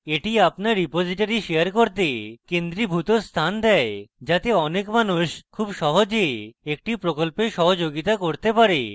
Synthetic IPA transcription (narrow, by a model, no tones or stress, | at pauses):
eʈiapnaɾːipod͡ʑiʈaɾiʃejaɾkoɾt̪ekend̪ɾibʱut̪oɾst̪ʰand̪ɛed͡ʑat̪eɔnekmanuʃkʰubʃɔɦod͡ʑeek̚ʈipɾokolpeɾʃɔɦod͡ʑoɡit̪akoɾt̪epaɾe